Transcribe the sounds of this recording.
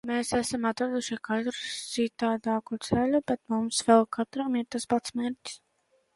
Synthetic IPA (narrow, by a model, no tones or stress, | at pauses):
meːsæsamat̪ɾad̪uʃikat̪ɾut̪sit̪aːd̪aːkut̪sɛlʲubɛt̪mumsvɛlˠkʰat̪ɾamiɾt̪aspat̪smeːɾʲtʲs